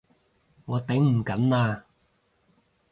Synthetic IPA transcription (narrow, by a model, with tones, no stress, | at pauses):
ŋɔː˨˧t̪ɪ˨˥ŋm̩˨˩kɐ˨˥naː˧